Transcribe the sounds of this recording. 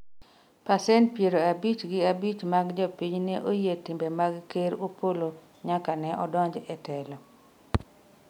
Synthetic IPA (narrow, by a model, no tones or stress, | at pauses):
pasɛntpjeɾoabit͡ʃɡɪabit͡ʃmaɡd͡ʒɔpiɲnɛʔojetimbemaɡkeɾopolo | ɲakanɛʔɔdɔɲd͡ʒɛtɛlɔ